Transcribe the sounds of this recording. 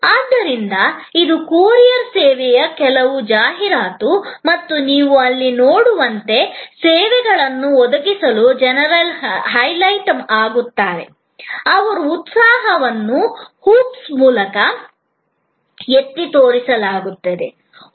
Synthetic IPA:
aːd̪ːɐɾind̪ɐid̪ukuːɾijɐɾsɛːʋɛjɐkɛlɐʋud͡ʒaːɦiɾaːt̪umɐt̪ːuniːʋuɐlːinoːɽuʋɐnt̪e̞sɛːʋɛɡɐɭɐnːuɔd̪ɐɡisɐlud͡ʒɛnɐɾɐlɦɐjlɐjʈɐmaːɡut̪ːaːɾe̞̰ | ɐʋɐɾuːt̪saːɦɐʋɐnːuhuːpsmuːlɐkɐ | et̪ːit̪oːɾisɐlaːɡut̪ːɐd̪e̞̰

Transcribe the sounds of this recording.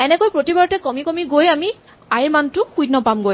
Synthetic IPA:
ɛnɛkojpɹotibaɹɔtɛkɔmikɔmiɡojami | ajɹmantʊkujtnɔpamɡoj

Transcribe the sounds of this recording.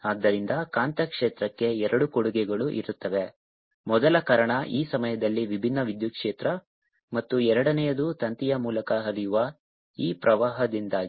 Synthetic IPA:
aːd̪ːɐɾind̪ɐkaːnt̪ɐkʂeːt̪ɾɐkːe̞ɛɾɐɽukoɽuɡɛɡɐɭuʔḭɾut̪ːɐʋe̞ | mɔd̪ɐlɐkaːɾɐɳɐʔiːsɐmɐjɐd̪ɐlːiʋibʱinːɐʋid̪jukʂeːt̪ɾɐ | mɐt̪ːuɛɾɐɽɐnɛjɐd̪ut̪ɐnt̪ijɐmuːlɐkɐɦɐɾijuʋɐ | iːpɾʔɐʋaːɦɐd̪ind̪aːɡ

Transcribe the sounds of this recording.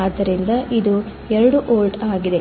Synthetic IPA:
ɐd̪ːɐɾind̪ɐʔid̪u | ɛɾɐɽuʔoːlʈaːɡid̪e̞

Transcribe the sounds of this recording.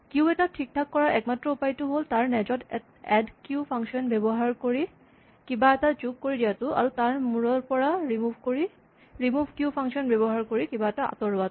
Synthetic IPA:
kiuɛtatʰik̚tʰakːɔɹaɹʔɛk̚matːɹɔupajtʊɦoltaɹnɛd͡ʒɔt | ɛdkjupʰaŋʃɔnbɛbɔɦaɹkoɹi | kibaɛtad͡ʒukkoɹidijatʊʔa̰ɹutaɹmuɹɔɹpɔɹaɹimubʱkoɹi | ɹimubʱkjupʰaŋsɔnbɛbɔɦaɹkoɹikibaɛtaʔa̰tɔɹatʊ

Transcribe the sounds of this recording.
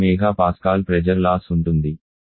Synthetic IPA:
ɛːɡaːpaːskaːlpɾɛd͡ʒɐɾlaːsuɳʈund̪i

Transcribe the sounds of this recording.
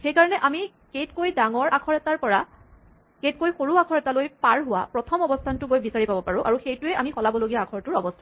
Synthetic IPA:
xejkaɹɔnɛʔami | kejtkojdaŋɔɹakʰɔɹɛtaɹpɔɹa | kejtkojxoɹuakʰɔɹɛtalojpaɹɦʊwa̰pɹɔtʰɔmɔbɔstʰantʊɡojbisaɹipabɔpaɹʊ̃ʔa̰ɹuxejtʊɛʔamixɔlabɔloɡijaːkʰɔɹtʊɹɔbɔstʰan

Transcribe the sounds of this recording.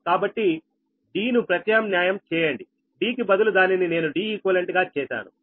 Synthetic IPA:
kaːbɐʈːi | ɖiːnupɾɐt̪jaːmnjaːjɐmt͡ʃɛːjɐɳɖi | ɖiːk̬ibɐd̪ulud̪aːninine̞ːnuɖiːikuʋɐleɳʈɡaːt͡ʃɛːʃa̰ːnṵ

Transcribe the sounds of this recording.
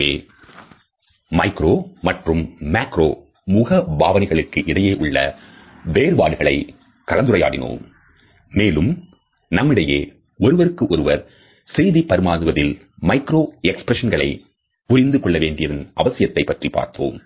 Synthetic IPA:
eː | mɐɪkɾoːmɐʈrɯmːaːkɾo̰ː | mʊɣɐbaːʋɐnɐɪɣɐɭɯkːɯʔɪɽɐjeːʔʊɭːɐ̰ | ʋeːɾbaːɽɯɣɐɭɐɪ | kɐɾɐnd̪ɯɾɐja̰ːɽɪno̰ːmː | eːlɯm | nɐmːɪɽɐjeː | ɔɾɯʋɐɾɯkːɯʔɔɾɯʋɐɾ | sɛjðipɐɾɯmaːðɯʋɐðɪl | mɐɪkɾoːɛkspɾɛʂɐnɡɐɭɐ̰ɪ | pʊɾɪnd̪ɯkɔɭːɐʋeːɳɖɪjɐðɐnʔɐʋɐsɪjɐt̪ːɐɪpːɐʈripːa̰ːɾt̪o̰ːm

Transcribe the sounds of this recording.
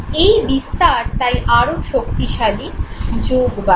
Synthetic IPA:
ejbist̪aɾt̪ajʔaɾoʃokt̪iʃalid͡ʑoɡba

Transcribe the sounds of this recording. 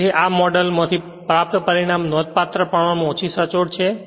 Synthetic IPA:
eʔamɔɖəlmãt̪ʰi | pɾap̚t̪əpəɾiɽ̃amnɔd̪̚pat̪ɾəpəɳʋamõot͡ʃʰisət͡ʃoɽt͡ʃʰe

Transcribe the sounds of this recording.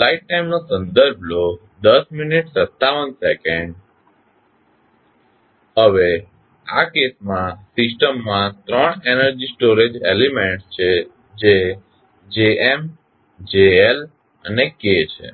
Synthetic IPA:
laiʈ̚ːajmnosə̃nd̪əɾbʱlo | d̪əsminiʈsət̪ːaʋənsekẽɳɖ | ɦəʋe | a̰kesmãsɪsʈəmːãt̪ɾəɳenəɾd͡ʒisʈoɾed͡ʒelimẽɳʈst͡ʃʰe | d͡ʒe | d͡ʒeem | d͡ʒeel | ə̰neket͡ʃʰḛ

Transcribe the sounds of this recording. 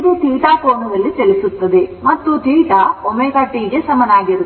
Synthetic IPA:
d̪ut̪iːʈaːkoːnɐnɐlːit͡ʃelisut̪ːɐd̪emɐt̪ːut̪iːʈaomɛkaːʈːiɡe̞sɐmɐnaːɡiɾu

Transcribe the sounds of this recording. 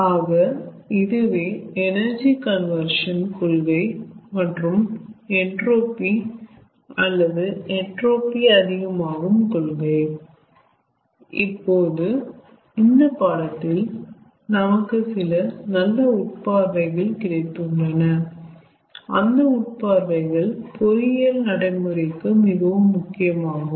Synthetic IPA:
aːɣɐɪðɯʋeːɛnɐɾd͡ʒikɐnʋɐɾʂɐnkɔɭɣɐɪmɐʈrɯmɛɳʈroːpi | ɐlːɐðɯɛɳroːpiɐðɪɣɐmaːɣɯmkɔɭɣɐɪ | ɪpːoːðɯ | ɪnd̪ɐpaːɽɐt̪ːɪl | nɐmɐkːɯsɪlɐnɐlːɐʊʈ̚paːɾʋɐɪɣɐɭkɪɽɐɪt̪ːɯɳɖɐnɐ | ɐnd̪ɐʊʈ̚paːɾʋɐɪɣɐɭpɔɾɪjɐlnɐɽɐɪmɯɾɪkːɯmɪɣɐʋɯmːʊkːɪjɐmaːɣɯm

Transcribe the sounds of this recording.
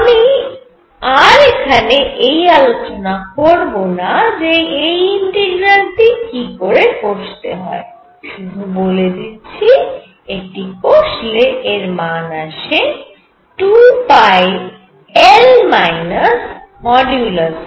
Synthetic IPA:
ami | aɾekʰaneʔejalot͡ɕonakoɾbonad͡ʑeejiɳʈeɡɾanʈikikoɾepoʃt̪eɦɔe | ʃud̪ʱuboled̪it͡ɕʰi | ek̚ʈikoʃleʔeɾmanaʃe | ʈufajb | elmajnas | mɔɖjulas

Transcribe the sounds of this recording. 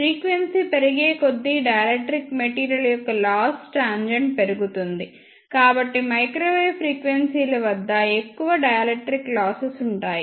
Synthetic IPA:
ɾiːkʋensipeɾiɡeːko̞d̪ːiɖɐjɐlekʈːɾikmeʈiːɾijɐlɐjɔkːɐlaːsʈaːnd͡ʒɐɳɖpeɾuɡut̪und̪i | kaːbɐʈːimɐjkɾoːʋejpʰɾiːkʋensiːlɐʋɐd̪ːɐekːuʋɐɖɐjɐlekʈɾiklaːsɐsuɳʈaːji

